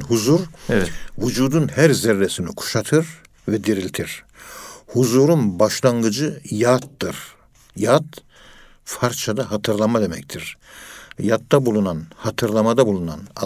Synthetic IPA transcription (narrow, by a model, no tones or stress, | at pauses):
nhuzuɾ | vud͡ʒuːd̪unhæɾzɛɾːɛsinikʰu̥ʃat̪ʰɯɾ | vɛd̪iɾilʲt̪ʰiɾ̥ | huzuːɾunbaʃlˠaŋɡɯd͡ʒɯjaːt̪ːɯɾ̥ | jaːt̪ | faɾt͡ʃʰad̪aɦat̪ʰɯɾlˠamad̪e̞mɛct̪ʰiɾ̥ | jat̪ːabulˠunanhat̪ʰɯɾlˠamad̪abulˠuna̰na̰